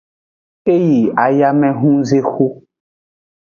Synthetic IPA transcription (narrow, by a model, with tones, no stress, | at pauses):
e˦ji˨a˨ja˦mɛ̃˨ɦũ˦ze˦xo˦